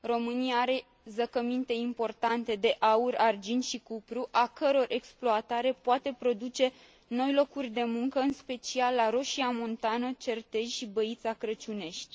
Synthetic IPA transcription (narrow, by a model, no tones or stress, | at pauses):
ro̞mɨnijaaɾe̞ | zəkəmint̪e̞impo̞rt̪ant̪e̞d̪e̞ʔaurʲard͡ʒinʃikupɾuʔakəɾo̞rʔe̞ksploat̪aɾe̞poat̪e̞pɾo̞d̪ut͡ʃe̞ | no̞jlo̞kurʲd̪e̞muŋkəɨnspe̞t͡ʃialːaɾo̞ʃiamo̞nt̪anət͡ʃe̞rt̪e̞ʒʲʃibəit̪sakɾət͡ʃune̞ʃt̪ʲ